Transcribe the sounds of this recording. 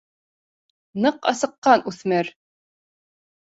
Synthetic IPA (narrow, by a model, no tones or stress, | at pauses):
nɤqɑ̰sɤ̆qːɑnʉθmæɾ